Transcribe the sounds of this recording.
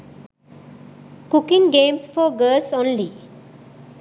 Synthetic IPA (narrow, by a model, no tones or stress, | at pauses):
kʊkɪ̃ŋɡẽːmsfɔɡəːɾsõːnli